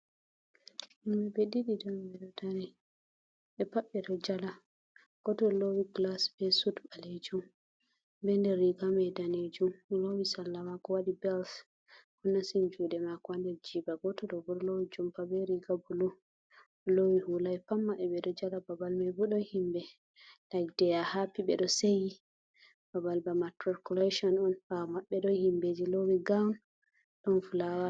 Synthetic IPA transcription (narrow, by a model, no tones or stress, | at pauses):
ʔimɛbeɗiɗidɔmbɛɗɔtanɛ | ɛpaɓɛdɔd͡ʒala | ɡ̥ɔtɔlowiɡlasbɛsutbaled͡ʒum | bɛndɛɾːiɡamɛdaned͡ʒumlowisalːamakɔwaɗibɛls | hunːasind͡ʒuɗɛmakɔwandɛɾd͡ʒibaɡɔtɔɗɔbuɾlowid͡ʒumpabɛɾiɡabulu | lowihulapamːaɓɛɓɛɗɔd͡ʒalababalmɛbɔɗɔhimbɛ | naɡdɛjahapiɓɛɗɔseji | b̥abalbamatɾɔɾkuleʃɔnɔnamaɓːɛɗɔhimbed͡ʒilowiɡan | ɗɔnfulawa